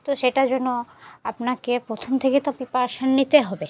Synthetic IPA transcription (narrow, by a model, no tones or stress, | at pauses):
t̪oʃeʈad͡ʑonːoapnakepɾot̪ʰomt̪ʰeket̪ɔpipaɾʃanːit̪eɦɔbe